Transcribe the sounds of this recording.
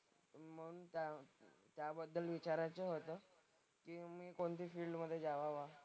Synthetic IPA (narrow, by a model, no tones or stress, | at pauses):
m̤əɽunt̪at̪jabəd̪ːəlʋit͡ɕaɾat͡seɦot̪əː | kiːmiːkoɳt̪iːfiːlɖməd̪ʱːjed͡zaʋaʋa